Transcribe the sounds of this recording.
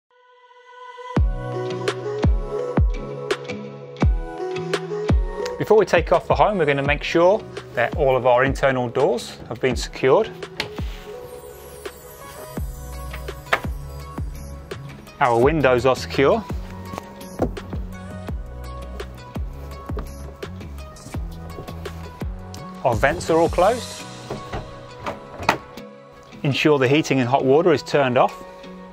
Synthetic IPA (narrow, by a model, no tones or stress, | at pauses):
b̥ɪfɔːwitʰeɪkʰɒfəɦə̃ʊ̃mwɪəɡʌ̃nəmeɪkʃɔːðəʔɔːləvaʊəɹɪ̃ntʰɜːnəlˠdɔːz̥həvbĩnsɪ̥kʰj̥ɔːd̥ | aʊəwɪ̃ndəʊzəsɪ̥kʰj̥ɔː | aəvɛ̃ntsəɹɔːlˠkʰl̥əʊs | ɪ̃nʃɔːðəɦiˑtʰɪ̃ŋə̃nɦɒʔwɔːˑɾəɹɪz̥tʰɜːndɒf